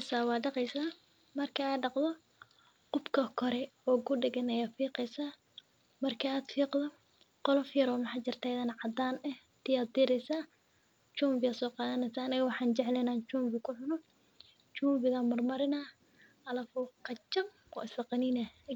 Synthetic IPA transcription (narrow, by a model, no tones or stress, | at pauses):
saːwɑːɖɑqɛjsaː | mɐrkʰɐaːɖɑqd̪ɔ | qʊbkʰɐkʰɔɾɛɔːɡʊɖɪɣɐnɛjaːfiːqɛjsaː | mɐrkʰɐaːd̪fiːqd̪ɔ | qɔlɔfjɐɾɔːmɑħaːt͡ʃɪrt̪ʰaːɪðɐnʕɑd̪aːnɛh | t̪ʰɪjaːd̪̚d̪ɪɾɛjsaː | t͡ʃuːmbɪaːd̪sɔːqɑːðɐnɛjsaːnɪɣɐwɑħɑːnt͡ʃɛʕlɛnaːnt͡ʃuːmbɪkʰʊħʊnɔ | t͡ʃuːmbɪðɐmɐrmɐɾɪna | ɐlɐfʊqɑt͡ʃɐm | ɔ̰ʔɪslɐqɑniːnɐ